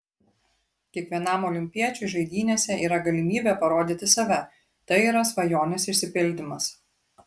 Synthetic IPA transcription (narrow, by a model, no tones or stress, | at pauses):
kʲiɛkʋʲiɛnɑˑmɔlʲɪmʲpʲiɛt͡ʃʲɛɪʒɐɪd̪ʲiːnʲeːsʲɛʔiːɾɐɡɐlʲɪmʲiːbʲeːpɐɾoːd̪ʲit̪ʲɪsɐʋʲɛ | t̪ɐɪiːɾɐsʋɐjoːnʲɪsɪʃʲsʲɪpʲɪlʲd̪ʲɪmɐs